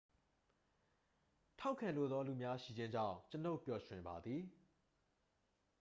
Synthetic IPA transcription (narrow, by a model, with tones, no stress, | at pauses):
tʰa˦ʊkʰːã˨lo˦˨d̪ðɔ˦lu˨mja˦ʃḭ˦˨d͡ʑɪ̃˦ɲd͡ʑã̰˦˨ʊ̃t͡ɕə˦no˦ʊpjɔ˨ʃwɪ̃˨mba˨d̪ði˨